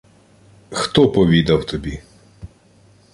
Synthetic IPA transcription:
xt̪ɔpɔʋʲid̪ɐwt̪ɔbʲi

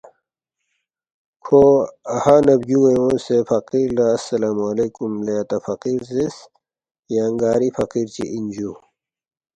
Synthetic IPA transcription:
kʰoɐhanɐbɡueõːsefɐqiɾlaːsːɐlaːmɐleːkumleɐt̪ɐfɐqiɾzes | jaːŋɡaːɾifɐqiːɾt͡ɕḭʔind͡ʑu

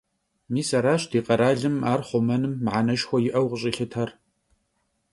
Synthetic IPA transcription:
miːsɐɾaːɕdʰiːqɐɾaːɮɨmaːrχʷʊmɐnɨmːʕanɐʃxʷɔjɪʔɐwʁəɕʼɪɬɨtʰɐr

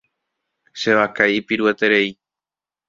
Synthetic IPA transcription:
ʃe̞ʋakajipiɾue̞t̪e̞ɾe̞i

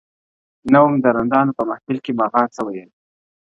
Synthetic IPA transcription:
nawumd̪əɾand̪ɑnopəmahpɪlkebɑɣɑnsəwajə

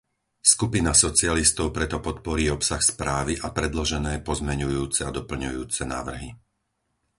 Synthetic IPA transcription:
skupinasɔt͡sialist̪ɔʊpɾɛt̪ɔpɔt̪pɔɾiːɔpsaxspɾaːʋiʔapɾɛd̪lɔʒɛnɛːpɔzmɛɲujuːt͡sɛad̪ɔpl̩ɲujuːt͡sɛna̰ːʋr̩ɦi

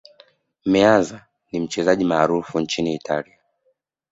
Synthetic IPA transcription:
mɛanza | nim̩t͡ʃɛzaʄimaːɾufuɲt͡ʃiniːtʰalia

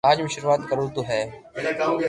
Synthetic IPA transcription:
aːd͡ʑmɪ̃ʃʊɾuaːt̪kɐɾut̪oɦɛː

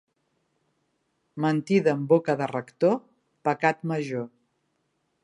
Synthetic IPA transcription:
mənt̪iðəmbokəðərəkt̪o | pəkat̪məʒo

